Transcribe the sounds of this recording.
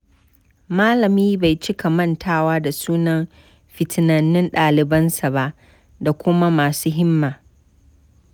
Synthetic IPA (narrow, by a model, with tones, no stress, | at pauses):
maː˦lɐ˨miː˦ba˨jt͡ʃɪ˦kʰa˨mɐ˦˨ntʰaː˦waː˦da˨suː˦nɐ˦m | ɸɪ˨tʰɪ˨nɐ˨nːɪ˦nɗaː˨lɪ˨bɐ˦nsa˨ba˦ʔ | da˨kʷʊ˦ma˦maː˨suː˦ɦɪ˦mːaː˨